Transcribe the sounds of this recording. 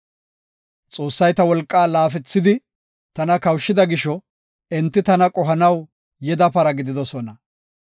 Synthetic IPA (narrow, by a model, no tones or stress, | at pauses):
t͡sʼo̞ːsːɐjt̪ɐwɔlkʼːaːlaːfɛt͡sːɪd̪ɪ | t̪ɐnɐkɐwʃːɪd̪ɐɡɪʃɔ | ɛnt̪ːɪt̪ɐnɐkʼɔɦɐnɐw | jɛd̪ɐpɐɾɐɡɪd̪ɪd̪ɔsɔnɐ